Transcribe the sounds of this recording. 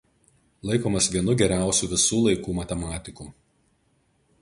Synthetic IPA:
lˠɐɪkoːmɐsʋʲiɛnʊɡʲɛɾʲæˑʊsʲuːʋʲɪsuːlˠɐɪkuːmɐt̪ʲɛmɑːt̪ʲɪkuː

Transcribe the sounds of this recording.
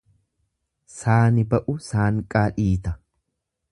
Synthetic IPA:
saːnɪbɐʔʊsaːŋkʼaːᶑiːt̪ɐ

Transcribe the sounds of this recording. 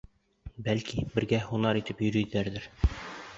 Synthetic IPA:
bælkibɘ̆ɾɡæhunɑɾit̪ɘpjɵ̆ɾɵ̆jd̪ɘ̆læɾd̪ɘɾ

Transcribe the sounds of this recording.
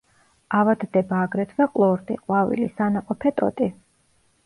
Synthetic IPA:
avad̪d̪ɛbaːɡɾɛt̪ʰd̪aqʼlˠɔɾd̪ʼḭqʼwavḭlisanaqʼɔpʰɛt̪ʼɔ̰t̪ʼi

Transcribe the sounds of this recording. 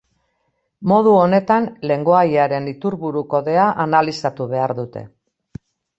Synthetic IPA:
mo̞ð̞uo̞ne̞t̪anle̞ŋɡo̞ajaɾe̞nit̪uɾβuɾuko̞ðe̞aʔanalisat̪uβ̞e̞aɾðut̪e̞̰

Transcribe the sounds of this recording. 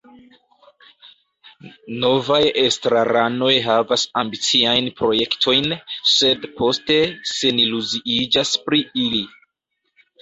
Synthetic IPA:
no̞vajestɾaɾano̞jɦavasambit͡siajnpɾo̞je̞ktʰo̞jnse̞dpʰo̞ste̞se̞niluziʔid͡ʒaspɾiili

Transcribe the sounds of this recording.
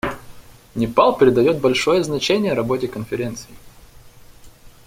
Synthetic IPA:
nʲɪpalˠpʲɾʲɪd̪ɐjo̞t̪̚bɐlʲʂo̞jəznɐt͡ɕenʲɪjəɾɐbo̞tʲɪkənfʲɪɾʲent̪sɨɪ

